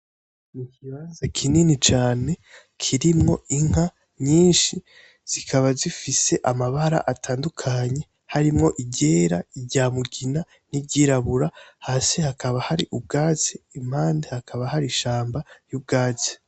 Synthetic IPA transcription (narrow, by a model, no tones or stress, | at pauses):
mikiβaːnzakʰininit͡ʃaːne̞ | kʰiɾimŋo̞iŋ̥a | ɲiːnʃi | z̥ikʰaβazifise̞ʔamaβaɾa̰ʔatʰaːndukʰaɲe̞ | haɾimŋo̞ʔiɟe̞ːɾaiɟaːmuɡina | niɟiɾaβuɾahaːsehakaβahaɾiʔub̚ɡaːt͡seim̥haːnde̞hakʰaβahaɾiʃaːmbajub̚ɡaːt͡se̥